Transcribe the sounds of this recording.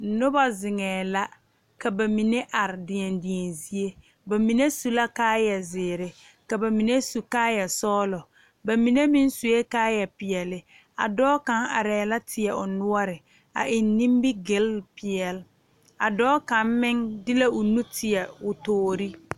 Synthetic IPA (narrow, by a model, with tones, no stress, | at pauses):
nʊ˦ba˦zɪ˨ŋɛː˨la˦ | ka˨ba˨mi˨ne˦ʔa˨ɾɪ˨dɪ˨ɛ˨ndɪ˨ɛ˨nzi˦e˦ | ba˨mi˨ne˦su˨la˦kaː˦jɛ˨zɪː˨ɾɪ˨ | ka˨ba˨mi˨ne˦su˨kaː˦jɛ˨sɔː˦lɔ˨ | ba˨mi˨ne˦mi˦n˦su˨je˦kaː˦jɛ˨pɪ˨ɛ˨lɪ˨ | a̰˨dɔː˦ka˦ŋa̰˨ɾɛː˨la˦tʰɪ˨ɛ˨ʊ˨nʊ˦ɔ˦ɾɪ˨ | a̰˨ʔɪ˨nnĩ˦mbɪ˦ɡɪ˦lpɪ˨ɛ˨l | a˨dɔː˦ka˨mmɪ˦ŋdɪ˦la˦ʔʊ˨nu˦tʰɪ˨ɛ˨ʊ˨toː˨˦ɾi˦